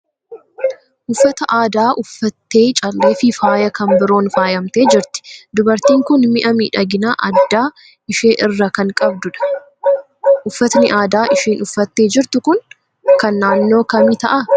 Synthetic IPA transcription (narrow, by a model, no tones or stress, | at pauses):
ʔʊfːɐt̪ɐʔaːd̪aːʔʊfːɐt̪ːe̞ːt͡ʃʼɐlːeːfɪfaːjɐkɐmbɪɾo̞ːnfaːjɐmt̪e̞ːd͡ʒɪɾt̪ɪ̥d̪ʊbɐɾt̪iːŋkʊnmɪʔɐmḭːᶑɐɡɪnaːʔɐd̪ːaː | ɪʃe̞ːʔɪrːɐkɐŋkʼɐbd̪ʊᶑɐ̥ | ʔʊfːɐt̪nɪʔaːd̪aːʔɪʃiːnʔʊfːɐt̪ːe̞ːd͡ʒɪɾt̪ʊkʊŋ | kɐnːaːnːo̞ːkɐmɪt̪ɐʔɐ